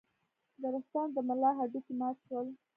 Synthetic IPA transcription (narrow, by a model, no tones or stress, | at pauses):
d̪əɾast̪ɑnd̪əmalɑɦaɖikimɑt̪ʃwəl